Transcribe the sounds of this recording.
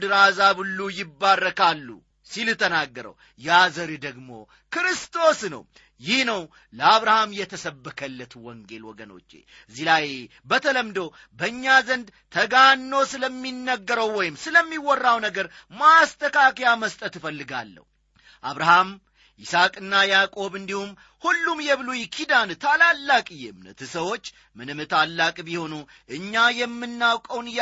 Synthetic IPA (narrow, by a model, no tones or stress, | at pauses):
d̪ɨɾazabɨlːujɪbːarːəkʰalːṵ | silɨt̪ʰːənaɡːəɾə̰w | jazəɾid̪əɡmo̞̰ | kɨɾɨst̪ʰʼo̞snə̰w | jɪhnəw | ləaβɾahamjɛt̪ʰəsəbːəkʰəlːət̪ʰwɔŋɡe̞lwɔ̰ɡəno̞̰t͡ʃːḛ | ɨzːilaj | bət̪ʰələmd̪o̞ | bəɨɲːazənd̪t̪ʰəɡanːo̞sɨləmːinːəɡːəɾəwːɔjɪmsɨləmːiwɔrːawnəɡəɾ | mast̪ʰʼəkakjaməst̪ʼət̪ɨfəlːɨɡa̰lːə̰hu | ʔaβɾaham | ʔɪsakʼɨnːajakʼo̞βɨnd̪ihum | hulːumjɛβlujkʰid̪ant̪ʰalalːakʼɨjɛmnə̰t̪ʰɨsəwo̞t͡ʃː | mɨnɨmɨt̪ʰalːakʼbiho̞nu | ʔɨɲːajɛmːɨnːawkʼəwnj